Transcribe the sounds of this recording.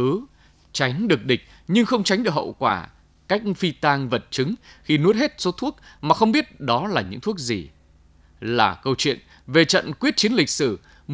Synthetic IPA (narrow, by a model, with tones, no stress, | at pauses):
ɨ˨˦ | t͡ɕa˨˦jŋ̟ɗɨ˨˩ək̚ɗï˨˩ŋ̟̚ | ɲɨ˧ŋxə˧wŋ͡mt͡ɕa˨˦jŋ̟ɗɨ˨˩ək̚hə̰˧˨wkwaː˧˩ | ka˦˥jk̟̚fi˧t̪aː˧ŋvə˨˩t̚t͡ɕɨ˨˦ŋxi˧nu˦˥t̚he˦˥t̚so˨˦t̪ʰu˦˥ək̚maː˨˩xə˧wŋ͡mɓi˦˥ət̚ɗɔ˨˦laː˨˩ɲɨ̰˧˥ŋt̪ʰu˦˥ək̚zi˨˩ | laː˨˩kə˧wt͡ɕwḭ˧˨ən | ve˨˩t͡ɕə̰˧˨nkwi˦˥ət̚t͡ɕi˨˦ənlï˨˩k̟̚sɨ˧˩ | m